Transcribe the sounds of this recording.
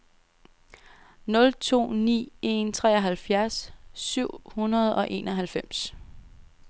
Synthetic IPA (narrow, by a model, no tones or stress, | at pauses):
nɔ̽lt͡sʰo̝̰ːnḭːe̝nt͡sʰʁɛ̰ːɒɦælfjæɐsːyʊ̰hunɐð̞̩ˠɒ̽ʔe̝ːnɒ̽ɦælfem̰s